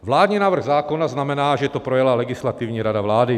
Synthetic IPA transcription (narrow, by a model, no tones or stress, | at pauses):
vlaːd̪ɲinaːvr̩ɣzaːkonaznamɛnaːʒɛt̪opɾojɛlalɛɡɪslat̪ɪvɲiːɾadavlaːdɪ